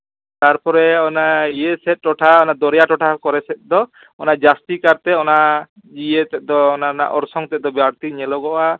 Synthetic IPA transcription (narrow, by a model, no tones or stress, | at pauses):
t̪aɾpɔɾɛɔnaijesɛt̪̚ʈɔʈʰaɔnad̪ɔɾjaʈɔʈʰakɔɾɛsɛt̪̚d̪ɔ | ɔnad͡ʒast̪ikaɾt̪ɛɔna | d͡ʒijet̪ɛd̪ɔːnana̰ʔɔɾsɔŋt̪ɛd̪ɔbjaɾt̪iɲɛlɔɡɔʔa